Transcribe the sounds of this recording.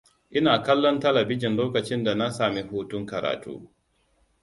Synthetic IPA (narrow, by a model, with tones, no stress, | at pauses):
ʔɪ˦naː˨kɐ˦lːɔ˦ntɐ˦lɐ˨bɪ˦d͡ʒɪ˨nloː˦kɐ˨t͡ʃɪ˦nda˨na˦saː˨mi˦ɦuː˦tʊ˦ŋkɐ˨ɾa̰ː˨tṵː˦